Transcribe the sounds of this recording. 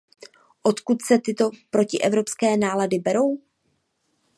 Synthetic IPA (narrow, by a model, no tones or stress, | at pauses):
ʔo̞t̪kut̪sɛt̪ɪt̪o̞pɾo̞cɪʔɛvɾo̞pskɛːnaːladɪbɛɾo̞w